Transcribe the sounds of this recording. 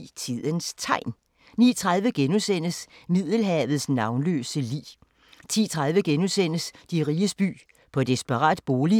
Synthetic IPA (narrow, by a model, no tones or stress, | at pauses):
t͡sʰið̰ˠənst͡sʰɑ̈ɪ̰n | nḭːt͡sʰʁɑð̞ˠʋəɡ̥enusen̰əsmið̰ˠl̩ɦɛːʋð̩ˠsnɑ̈ʊnlø̰ːsəlḭː | t͡sʰḭːt͡sʰʁɑð̞ˠʋəɡ̥enusen̰əsd̥iʁiːəsb̥y̰ː | pʰɒ̽d̥esb̥əʁɑ̰̈ːd̥b̥o̝ːli